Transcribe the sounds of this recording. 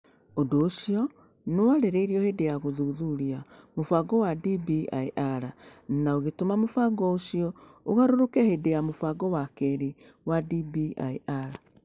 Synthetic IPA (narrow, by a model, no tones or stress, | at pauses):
odoːsiɔ | nowaɾeɾeiɾiɔhedejaɣoðuðuɾiamofaɡɔwadibiaiʔaɾanaoɣetomamofaɡɔosiɔo̰ɣaɾoɾokɛhedejamofaɡɔwakɛɾe | wadibiaiʔaɾa